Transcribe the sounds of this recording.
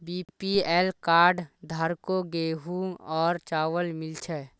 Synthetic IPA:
biːpiɛːlkaːɾɖd̪ʱaɾkoɡeːɦuɔːɾt͡ʃaːʋəlmɪlt͡ʃʰɛ

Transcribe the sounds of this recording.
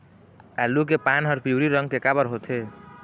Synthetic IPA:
alːuk̬epanɦəɾpʰiuɾiɾəŋɡkekabəɾɦot̪ʰe

